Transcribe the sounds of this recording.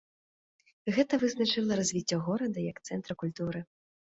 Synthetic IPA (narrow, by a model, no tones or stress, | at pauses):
ɣɛt̪ɐvɨznat͡ʂɨlˠɐɾazʲvʲit͡sʲːɔɣɔɾɐd̪ɐjɐkt̪sɛnt̪ɾɐkulʲt̪uɾɨ